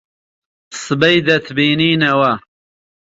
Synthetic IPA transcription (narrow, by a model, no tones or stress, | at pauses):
sɨbɐjd̪ɐt̪ʰbiːniːnɐwɐ